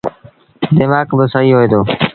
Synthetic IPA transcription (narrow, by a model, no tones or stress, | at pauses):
d̪ɪmaːkbəsəɦiːɦoːeːd̪oː